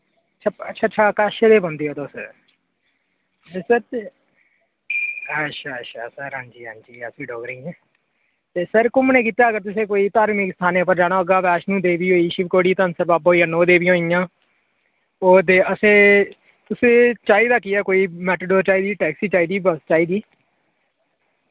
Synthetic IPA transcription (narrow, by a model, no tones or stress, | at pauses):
əʃʰaːətːʃʰaːtːʃʰaːkaːʃed̪eːbə̃nd̪iːɛːt̪os | səɾ | əʃʰaːəʃʰa̰ːsəɾɦãːnd͡ʒiːɦã̰ːnd͡ʒiːəsĩːɖoːɡɾiːɛ̃ː | t̪eːsəɾkʊmnẽːkiːt̪aːəɡəɾt̪ʊsẽːkoːiːt̪aːɾmɪkst̪ʰaːnẽːʊpəɾd͡ʒaːɽaːəɡaːʋɛːʃnũːd̪eːʋiːɦoːiːʃɪʋkoːɽiːt̪ənsəɾbaːpɦoːiãːnoːd̪eːʋiːɦõːijãː | oːd̪eːəsẽː | t̪ʊsẽːt͡ʃaːiːd̪aːkiɛːkoːiːmɛːʈəɖoːɾt͡ʃaːiːd̪iːʈɛːksiːt͡ʃaːiːd̪iːbəst͡ʃaːiːd̪iː